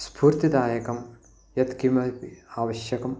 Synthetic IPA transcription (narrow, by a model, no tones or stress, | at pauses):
spuːɾt̪id̪aːjɐkɐm | jɐt̪kimɐpiaːʋɐɕjɐkɐm